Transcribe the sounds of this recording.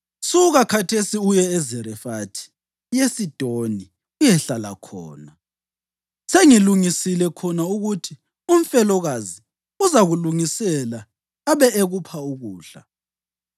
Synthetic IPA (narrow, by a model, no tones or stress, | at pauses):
suɣakʰatʰesiujɛːzɛɾɛfatʰi̥ | jesid̥ʱoni | ujɛɬala̰kʰɔ̰ːna | seŋiluŋisilɛkʰɔnauɣutʰi | um̩fɛlɔɣazi | uzaɣuluŋisɛlaː | βɛʔeɣupʰauɣuːɬa̰